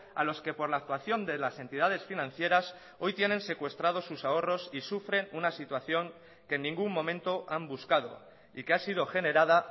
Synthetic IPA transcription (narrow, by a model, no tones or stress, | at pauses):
a̰lo̞ske̞po̞ɾlaːk̚t̪waθjo̞nd̪e̞lase̞nt̪ið̞að̞e̞sfinãn̟θje̞ɾas | o̞jt̪je̞nẽ̞nse̞kwe̞st̪ɾað̞o̞susao̞ro̞sisufɾe̞nunasit̪waθjo̞ŋ | kenːĩŋɡumːõ̞mẽnt̪o̞ʔambuskað̞o̞̰ | ikeasiðo̞xe̞ne̞ɾað̞a